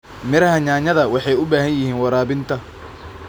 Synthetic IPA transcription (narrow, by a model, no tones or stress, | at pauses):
mɪɾɐɦɐɲaːɲɐðɐwɑħɑjʊbaːɦɐnjɪhiːnwɐɾaːβɪnt̪ʰɐ